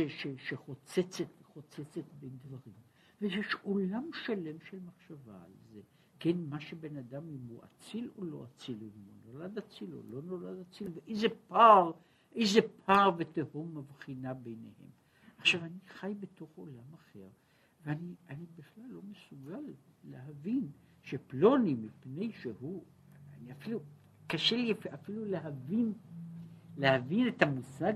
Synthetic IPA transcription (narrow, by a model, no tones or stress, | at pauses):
ʃeʃeʃeχo̞t͡set͡set̪eχot͡set͡set̪bend̪vaʁim | vejeʃolamʃale̞mʃelmaχʃava̰ːlze | kenmaʃebe̞nad̪amimhuʔa̰t͡silo̰lo̞̰at͡siloimunolad̪at͡silo̞̰lo̞no̞lad̪at͡silveʔejzepaʁ | ʔe̞jzepʰaʁvet̪ehomːavχinabe̞jnḛhe̞̰m | aχʃavaniχajbeto̞χo̞̰lamaχe̞̰ʁ | veanianibiχlalːo̞mesuɡalː | eɦavinʃeplo̞nimipne̞jʃehu | a̰niafilu | kaʃeliafiluleɦavin | lehavinet̪amusa